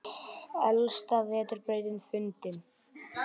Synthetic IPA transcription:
œlst̪avɛːt̪ʏɾpeɾjðɪnfʏnt̪ɪn

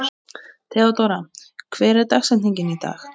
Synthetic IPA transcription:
t̪ʰɛːɔt̪oɾakʰvɛːɾɛɾt̪axsɛ̥niɲcɪnit̪a̰ːx

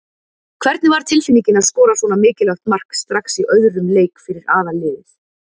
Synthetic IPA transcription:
kʰv̥ɛɾt̪nɪvaɾ̥t̪ʰɪlfɪnicɪnaðskɔːɾasɔːnamɪːcɪlawt̪mar̥kst̪ɾaxsiʔœðɾʏmleːjkfɪɾɪɾaːðalɪːðʏθ

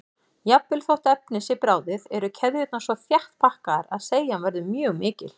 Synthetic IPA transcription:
japːɪlθowht̪œp̚nɪsɪpɾaːwðɪðɛɾʏcʰɛððʏɛt̪nasvɔθjaht̪pʰahkaɾaðseːjanvɛɾðʏmjœːɣmɪːcɪ̰l

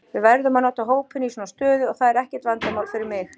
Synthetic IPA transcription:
vɪðvɛɾðʏmanawt̪aɦoːwpɪnisɔːnast̪œːðʏɔɣθaðɛɾɛhcɛɾ̥t̪vant̪amaːwlfɪɾɪɾmɪx

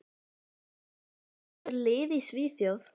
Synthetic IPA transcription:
lɪːðisviːθjɔð

